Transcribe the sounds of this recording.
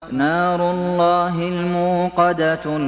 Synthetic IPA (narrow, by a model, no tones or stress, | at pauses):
naːɾʊlːɑːɦɪlmʊːqɑd̪a